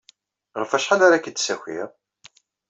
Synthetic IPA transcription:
ʁəfæʃħanaɾakːəd̪sæçḭɾ

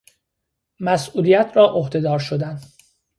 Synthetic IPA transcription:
mæsuːlijæt̪ʰɾɒːʔohd̪e̞d̪ɒːɾʃod̪æn

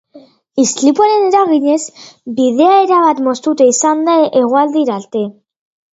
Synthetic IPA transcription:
islipuaɾeneɾaɣiɲe̞zbið̞eaeɾaβat̪mo̞st̪ut̪eisand̪aʔiɣwald̪iɾalt̪e

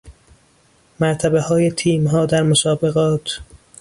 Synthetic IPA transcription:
mæɾt̪ʰæbehɒːjet̪ʰiːmɦɒːd̪æɾmosɒːbe̞ɣɒːt̪ʰ

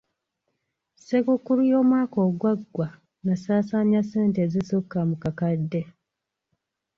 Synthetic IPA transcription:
sekukːuɾujo̞ːmwaːko̞ːɡwaɡwa | nasaːsaɲaseːnteːzisokːamukakadːe̞

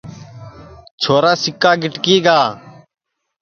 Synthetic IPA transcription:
t͡ʃʰoːɾaːsɪkːaːɡɪʈkiːɡaː

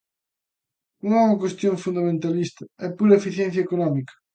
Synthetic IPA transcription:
ñɔuɣɐkwest̪joŋfund̪amẽnt̪alist̪ɐɛpuɾɐefiθjɛ̃nθjaekonɔmikɐ̥

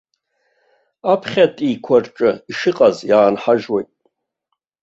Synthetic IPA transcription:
apʰχʲatʼikʷʰarʈ͡ʂʼɨiʂɨqʼazjaːnħaʒwajtʼ

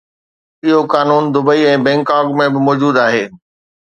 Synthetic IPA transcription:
ɪɦokaːnuːnd̪ʊbəiɛ̃ːbɛ̃ːŋkaːkmẽbɪmɔːd͡ʑuːd̪aːɦeː

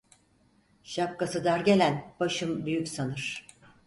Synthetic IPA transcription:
ʃap̚kasɯd̪aɾɟʲe̞lʲænb̥aʃɯmbyjykʲsanɯɾ̥

